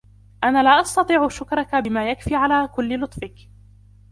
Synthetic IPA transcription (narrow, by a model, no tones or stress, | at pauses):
ʔanaːlaːʔɑst̪ɑt̪ˤiːʕʊʃʊkɾˤɑkabɪmaːjakfiːʕalaːkʊlːɪlʊt̪ˤfɪk